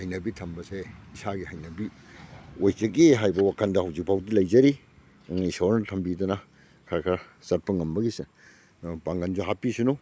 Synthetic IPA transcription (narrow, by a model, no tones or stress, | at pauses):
hajnɐbitʰɐmbɐseisaɡihajnɐbi | ojkɐɡiɦajbɐwakʰɐndɐɦawzik̚pʰawdilɐjd͡ʒɐɾi | ŋiisawɾnɐtʰɐmbidɐnɐ | kʰaɾkʰa | sɐt̚pɐŋɐmbɐɡise | npaŋɡɐnzuɦapisunu